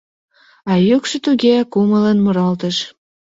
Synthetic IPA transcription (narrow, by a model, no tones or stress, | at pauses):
ɑjukʃət̪uɡʲeɑkumələnmuɾɑlt̪əʃ